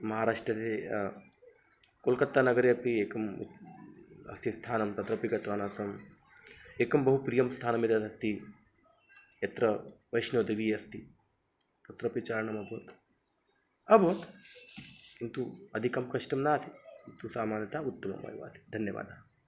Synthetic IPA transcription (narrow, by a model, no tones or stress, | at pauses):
mɐɦaːɾaːʂʈɾɐt̪e | kolkɐt̪ːaːnɐɡɐɾeːɐpieːkɐm | ɐ̰st̪ʰist̪ʰaːnɐmt̪ɐt̪ɾɐpiɡɐt̪ʋaːnaːsɐm | eːkɐmbɐɦupɾijɐmst̪ʰaːnɐmit̪ɐt̪ɐst̪ʰi | jɐt̪ɾɐʋɐjʃnoːd̪iʋiːɐst̪ʰi | t̪ɐt̪ɾɐpit͡ʃaːɾɐɳɐmɐbʱɐʋɐt̪ | ɐbʱɐʋɐt̪ | kint̪uɐd̪ʱikɐmkɐʂʈɐmnaːsikint̪usaːmaːnjɐt̪ʰaːut̪ːɐmɐ̰ma̰ːjiʋa̰ːsi̥d̪ʱɐnjɐʋa̰ːd̪ʱa